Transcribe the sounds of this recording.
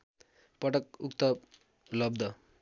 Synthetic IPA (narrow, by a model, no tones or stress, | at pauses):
pʌʈʌkukt̪ʌ | lʌb̚d̪ʱʌ